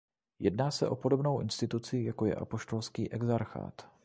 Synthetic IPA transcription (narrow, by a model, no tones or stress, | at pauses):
jɛdnaːsɛʔo̞po̞do̞bno̞wʔɪ̰nst̪ɪt̪ut͡sɪjako̞jɛ̰ʔapo̞ʃt̪o̞lskiːʔɛɡzaɾxa̰ːt̪